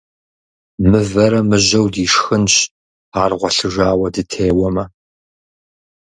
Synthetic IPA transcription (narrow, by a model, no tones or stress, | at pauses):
mɨvɐɾɐmɨʑɐwdiːʂxɨnɕ | aːrʁʷɔɬɨʒaːwɐdɨtʰeːwɔmɐ